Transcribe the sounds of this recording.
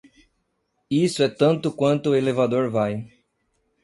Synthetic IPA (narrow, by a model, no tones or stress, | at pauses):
isʊɛt̪ɐ̃nt̪ʊkwɐ̃nt̪ʊelevad̪oɾvaj